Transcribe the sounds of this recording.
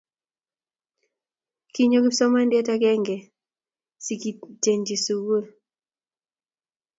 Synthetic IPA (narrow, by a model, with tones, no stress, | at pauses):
ki˦ɲo˦ki˦sɔ˦ma˦ndɪɛ˦ta˦kɛ˦ŋɡɛ˨ | si˨ki˨d͡ʒe˨ɲd͡ʒi˨su˨wo˦˨